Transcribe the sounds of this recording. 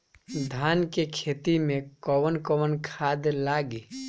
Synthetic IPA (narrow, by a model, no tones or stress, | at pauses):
d̪ʱaːnkekʰeːt̪imẽkɔwənkɔwənkʰaːd̪laːɡi